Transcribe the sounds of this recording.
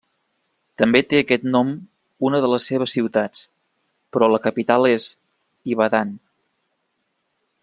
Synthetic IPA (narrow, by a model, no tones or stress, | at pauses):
t̪əmbet̪eəkɛt̪nɔm | unəðələsːeβ̞əsːiwt̪at͡s | pɾɔləkəpit̪alˠez | iβəðan